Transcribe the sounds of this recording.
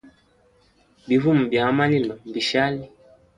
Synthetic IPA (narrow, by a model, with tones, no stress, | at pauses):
bi˨vu˦m̩˨bja˨˦ma˦ni˦ma˨m̩˨bi˨ʃa˦li˦